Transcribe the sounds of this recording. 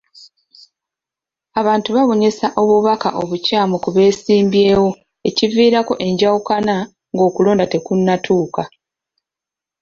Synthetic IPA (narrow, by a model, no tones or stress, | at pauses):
aβaːntuβaβo̞ɲesaʔo̞βuβaka̰ʔo̞βucaːmukuβe̞ːsiːmbje̞ːwo̞ | e̞civiːɾako̞̰ʔe̞ɲɟawukana | ŋɡo̞ːkulo̞ːndate̞kunːatʰuːka